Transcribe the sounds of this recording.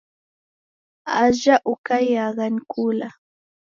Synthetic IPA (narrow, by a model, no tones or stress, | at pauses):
aʒaʔʊkajaɢɑnkʰula